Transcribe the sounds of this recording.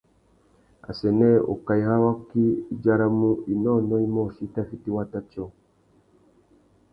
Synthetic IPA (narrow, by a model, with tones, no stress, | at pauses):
a̰˨sɛ˨nɛ˦ɔ̰˨ka˨i˨ha˦wa˦ki˦˨d͡ʒa˦ɾa˦mu˦i˨nɔ˦˨nɔ˦i˦mɔ˦˨ʃi˦ta˦fi˦ti˦wa˦ta˦t͡ʃɔ˨